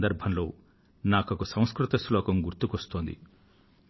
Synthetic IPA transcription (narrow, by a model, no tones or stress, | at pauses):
d̪ɐɾbʱɐnlo̞̰ː | naːkɐkusɐ̃w̃skɾut̪ɐslɔːkɐmɡuɾt̪ukɐst̪oːnd̪ḭ